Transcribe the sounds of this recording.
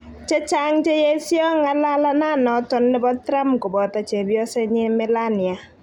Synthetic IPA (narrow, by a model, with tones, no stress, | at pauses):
t͡ʃe˦t͡ʃa˦ŋt͡ʃe˦je˦sjɔ˦ŋa˦la˦la˦na˦˨nɔ˨tɔ˦nːɪ˦bɔ˦tɾa˦mko˨bɔ˨ta˨t͡ʃe˨bjɔ˦se˦ɲɪ˦mɪ˦la˦ni˨a˨